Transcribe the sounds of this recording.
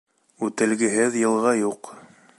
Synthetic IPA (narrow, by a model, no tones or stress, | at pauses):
ʉt̪ɘ̆lɡɘ̆ɦɘðjɤ̆lˠʁɑjuq